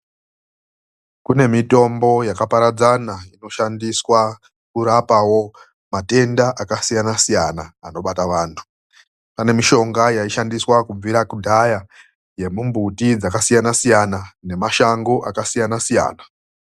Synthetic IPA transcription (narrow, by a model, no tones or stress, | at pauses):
kune̞mito̞mbo̞jakapaɾad͡zanaino̞ʃandiswa | kuɾapawo̞ | mate̞ndaʔakasijanasijanaa̰no̞ɓataʋaːntʰu̥ | pane̞miʃo̞ŋɡajaiʃandiswakub͡viɾakudʱaja | je̞mumbutid͡zakasijanasijanane̞maʃaŋɡoʔakasijanasija̰ːna